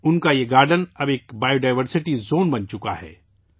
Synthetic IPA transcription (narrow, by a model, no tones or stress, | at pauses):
ʊnkajeɡaːɾɖənɐbeːkbaːjoɖaːɪʋəɾsɪʈizoːnbɐnt͡ʃʊka̰ɦɛ̰ː